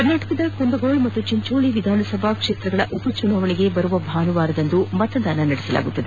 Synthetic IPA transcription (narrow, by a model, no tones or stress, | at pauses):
kɐɾnaːʈɐkɐd̪ɐkund̪ɐɡoːɭmɐt̪ːut͡ʃiɲt͡ʃoːɭiʋid̪ʱaːnɐsɐbʱakʂeːt̪ɾɐɡɐɭɐʔupɐt͡ʃunaːʋɐɳɛɡe̞bɐɾuʋɐbʱaːnɐʋaːɾɐd̪ɐnd̪umɐʈːɐd̪aːnɐnɐɽɛsɐla̰ːɡut̪ːɐd̪e